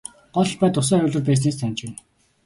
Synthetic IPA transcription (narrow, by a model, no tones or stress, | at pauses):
ɢ̥ɔɮpæːt̪ʊs̬æːʊːɮɘ̆rpæːs̬neːst̪ʰanʲt͡ɕpæːn